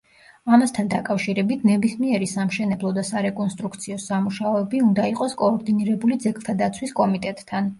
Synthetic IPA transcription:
amast̪ʰand̪akʼafʃiɾɛbit̪ʰnɛbismiɛɾisamʃɛnɛblˠɔd̪asaɾɛkʼɔnst̪ʼɾukʰt̪sʰiɔsamuʃaɔɛbiund̪aiqʼɔskʼɔːɾd̪iniɾɛbulid̪zɛkʼlˠt̪ʰad̪at̪sʰwiskʼɔmit̪ʼɛt̪ʼːʰan

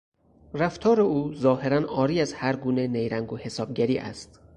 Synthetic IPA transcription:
ræft̪ʰɒːɾe̞uːzɒːhe̞ɾænɒːɾiːæzhæɾɡuːne̞nejɾæŋɡohe̞sɒːb̚ɡæɾiːʔæ̰st̪

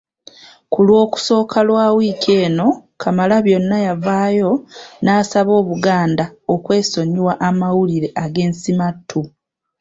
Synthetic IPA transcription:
kulwo̞ːku̥so̞ːkʰalwaːwiːcʰe̞ːno̞kʰamalaβjo̞nːajavaːjo̞naːsaβo̞ːβuɡaːndaokwe̞ːso̞ɲiwaʔamawuliɾe̞ʔaɡe̞ːnsimatʰːu

